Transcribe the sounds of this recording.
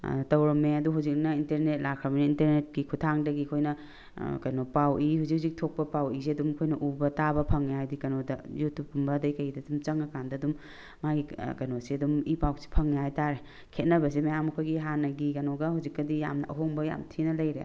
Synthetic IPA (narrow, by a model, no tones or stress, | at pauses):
tɐwɾɐmeɐduɦawzik̚nɐinteɾnet̚lakʰːɾɐbɐniinteɾnet̚kikʰutʰaŋdɐɡikʰojnɐ | kɐnopawihuzik̚hzik̚tʰok̚pɐpawiseɐdumɐkʰojnɐʔubɐtabɐpʰɐŋjajdikɐnodɐjutup̚ʰːumbɐdɐjkɐjdɐdumt͡ʃɐŋɐkandɐdumː | aɡikɐnosiɐdumipawsi̥pʰɐŋjajtaɾe | kʰet̚nɐbɐsimɐjamɐkʰojɡiɦanɐɡikɐnoɡɐhuwzikːɐdija̰mnɐʔɐ̰ɦoŋbɐja̰mtʰinɐlɐjɾḛ